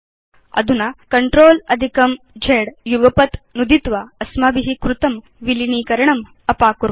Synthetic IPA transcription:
ɐ̰d̪ʱunakɐɳʈɾoːlɐd̪ʱikɐm | d͡ʒʱeːɽjuɡɐpɐt̪nud̪ʱit̪ʋaɐsmabiɦikɾut̪ɐm | ʋiliniːkɐɾɐɳɐm | ɐpaːkuɾ

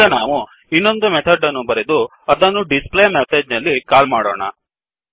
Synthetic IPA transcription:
ɐnaːʋu | inːo̞nd̪umet̪ʰɐɖːɐnːubɐɾed̪u | ɐd̪ɐnːuɖispleːmeseːd͡ʒnɐlːikaːlmaːɽo̰ːɳɐ̰

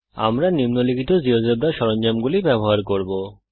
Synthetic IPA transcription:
a̰mɾanimnolikʰit̪od͡ʑiɦoseb̚ɾaʃɔɾond͡ʑamɡulibɛboɦaɾkoɾbo

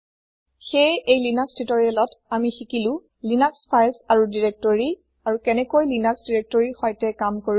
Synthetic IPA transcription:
xejejlinakstitɔɹiɛlɔtamixikilʊ̃ | linakspʰajsaɹudiɹɛk̚tɔɹi | aɹukɛnɛkojlinaksdiɹek̚tɔɹixɔjtɛkamkoɹ

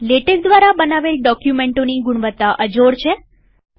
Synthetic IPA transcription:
leʈək̚d̪ʋaɾabənaʋelɖɔkjumeɳʈoniɡuɳ̃ʋət̪ːaʔəd͡ʒoɾt͡ʃʰe

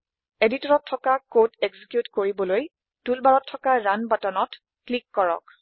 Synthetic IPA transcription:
editɔɹɔtʰːɔkakoteɡzikjutkoɹibɔloj | tulbaɹɔtʰːɔkaɹanbatɔnɔt | klikːɔɹɔ̰k̚

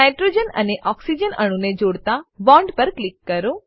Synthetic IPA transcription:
aɪʈɾoːd͡ʒənɐ̰neʔɔːksid͡ʒənɐ̰ɽ̃uned͡ʒoːɽt̪abãːɳɖpɐɾklɪkːɐɾoː

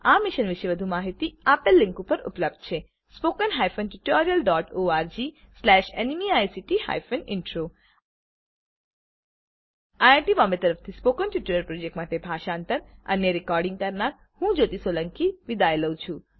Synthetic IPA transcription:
amɪʃənʋɪʃeʋəd̪ʱumaɦit̪iapelːĩŋkupəɾṵpləb̚d̪̚t͡ʃʰe | spokənɦajfʰənʈjuʈɔɾijəlɖɔʈoaɾd͡ʒi | slɛʃenimiajsiʈiha̰jfənɪ̰ɳʈɾo | ajaʈibɔmbet̪əɾəft̪ʰispokənʈjuʈoɾjəlpɾɔd͡ʒek̚ʈmaʈebʱaʃant̪əɾə̰njəɾikɔɾɖĩŋɡ̚kəɾnaɾ | hũd͡ʒot̪isoləŋkiʋid̪ajləwt͡ʃʰũ

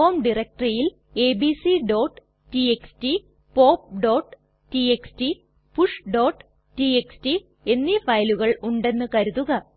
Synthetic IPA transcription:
oːmɖirek̚ʈrɐjil | e̞ːbisiɖo̞ːʈː | ʈieksʈi | po̞ːp̚ɖo̞ːʈ | ʈieksʈi | puʂɖo̞ːʈː | ʈieksʈi | e̞nːifɐjluɣɐɭuɳɖe̞nːɨkɐɾuðuɣɐ

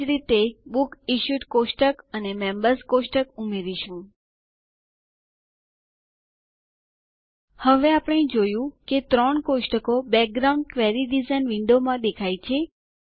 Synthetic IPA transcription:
ɾit̪ebukiʃjuʈkoʃʈəkənemɛmbəɾskoʃʈəkumeɾiʃũ | həʋeapəɳ̃ed͡ʒojũket̪ɾəɳkoʃʈəkobɛk̚ɡɾawɳɖ̚kʋɛɾiɖizanʋiɳɖomãd̪ekʰajt͡ʃʰe

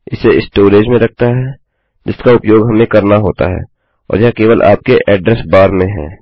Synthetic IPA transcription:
ɪseɪsʈoːɾeːd͡ʒmẽɾɐk̚ʰt̪aɦɛ | d͡ʒɪskaʊpjoːɡɦɐmẽkɐɾnaɦoːt̪a̰ɦɛ̰ː | ɔ̰ːɾjɐɦãkeːʋəlʔa̰ːp̚keʔɛːɖɾɛsbaːɾmẽɦɛ̰̃ː

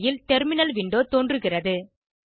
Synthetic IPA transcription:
jɪlt̪ɛɾmɪnɐlʋɪɳɖoːt̪oːndrɯɣɪrɐðɯ

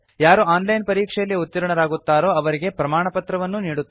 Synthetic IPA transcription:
jaːɾuaːnlɐjnpɐɾiːkʂɛjɐlːijɐut̪ːiɾɐɳɐɾaːɡut̪ːaːɾo̞ːɐʋɐɾiɡe̞pɾɐmaːɳɐpɐt̪ɾɐʋɐnːuniːɽut̪ː

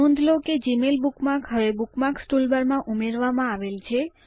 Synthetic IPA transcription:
ũnd̪ʱloked͡ʒimelbukmakɦəʋebukmaksʈulbəɾmãʔumeɾʋamãaʋelt͡ʃʰe

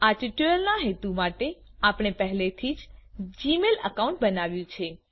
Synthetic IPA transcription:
aʈiʈuəlnaɦet̪umaʈeapɳ̃epəɦlet̪ʰid͡ʒd͡ʒimelə̰kaũɳʈbənaʋjũt͡ʃʰe

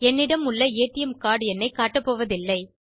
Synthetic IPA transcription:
ɛnːɪɽɐmʊɭːɐeːʈːɪjɐmkaːɽɛnːɐɪkaːʈːɐpːoːʋɐðɪlːɐɪ

